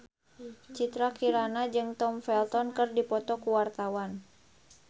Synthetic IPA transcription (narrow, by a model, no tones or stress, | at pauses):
t͡ʃit̪ɾakiɾanad͡ʒɨŋt̪ɔmfɛlt̪ɔnkɨrdipɔt̪ɔkuwart̪awan